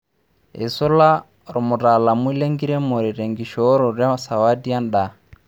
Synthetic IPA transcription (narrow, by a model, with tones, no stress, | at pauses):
ḭ˨sɔ˦la˦ | ɾɔ˨mu˨ɾa˨la˨mwi˦le˦ŋɡi˦ɾɛ˦mo˨ɾi˨ɾe˨ŋɡi˨ʃɔ˨˦ɾɔ˨ɾja˦sa˨wa˦di˦a˦n̩˨ɗa˨